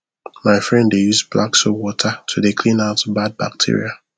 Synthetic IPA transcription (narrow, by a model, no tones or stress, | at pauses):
maɪfɹɛ̃nddejuzblaksɔwɔtʰətʰudekʰlĩnaʊtbad̚ba̰k̚tʰḭɹḭa